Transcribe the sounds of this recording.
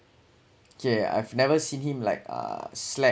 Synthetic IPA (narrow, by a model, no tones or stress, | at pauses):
okʰea̰jvnɛvəsĩnhĩmla̰ɪk̚ʌ̰slɛ